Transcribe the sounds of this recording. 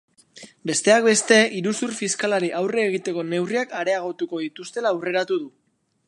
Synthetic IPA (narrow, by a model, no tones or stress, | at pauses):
be̞st̪e̞ak̚be̞st̪e̞iɾusuɾrfiskalaɾiʔawre̞ːɣ̞it̪e̞ko̞ne̞wriakaɾe̞aɣ̞o̞t̪uko̞ðit̪ust̪e̞laːwre̞ɾat̪uðu